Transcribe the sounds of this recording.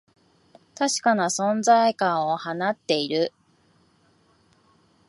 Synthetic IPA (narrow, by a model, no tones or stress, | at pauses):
t̪aɕi̥kanasõ̞nd͡zaikãɰ̃o̞hanat̪ːe̞iɾɯ̟